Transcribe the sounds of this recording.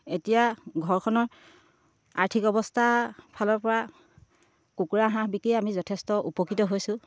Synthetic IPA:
etijaɡʱɔɹkʰɔnɔɹ | a̰ɹtʰikɔbɔstʰapʰalɔɹpɔɹa | kukuɹaɦãbikijamizɔtʰɛstɔʔupɔkitɔɦojsʊ̃

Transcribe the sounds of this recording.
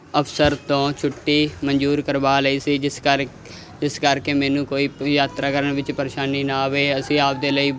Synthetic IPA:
əpʰsəɾt̪õːt͡ʃʰʊʈːiːmənd͡ʒuːɾkəɾbaːləiːsiːd͡ʒɪsk | d͡ʒɪskəɾkeːmɛːnũːkoːiːjaːt̪ɾaːkəɾəɳʋɪt͡ʃpəɾeːʃaːniːnaːʋeːəsĩːaːp̚d̪eːləiː

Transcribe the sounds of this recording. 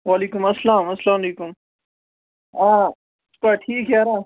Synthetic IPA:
waliːkʊmɐslaːmɐslaːmɐleːkʊm | ãː | skaʈʰiːkɦjaːɾaː

